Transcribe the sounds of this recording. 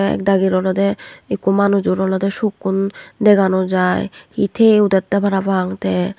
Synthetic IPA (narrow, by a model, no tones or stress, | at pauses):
ɛ̰kd̪aɡiɾɔlad̪eekumanud͡ʑuɾɔlad̪eʃukːund̪eɡanod͡ʑaehit̪ʰeud̪at̪ːabʱaɾabaŋt̪ɛ